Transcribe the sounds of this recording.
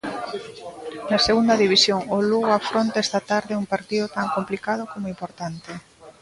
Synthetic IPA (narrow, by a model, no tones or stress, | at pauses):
nɐseɣund̪ɐðiβisjoŋoluɣafɾont̪aɛst̪at̪aɾðɪuŋpaɾt̪iðʊt̪aŋkomplikað̞ʊkomʊimpoɾt̪ant̪e